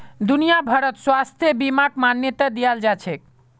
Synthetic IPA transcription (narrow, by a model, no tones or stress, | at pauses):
d̪unijabʱəɾət̪swast̪ʰjebimakmanjet̪ad̪ijald͡ʒat͡ʃʰek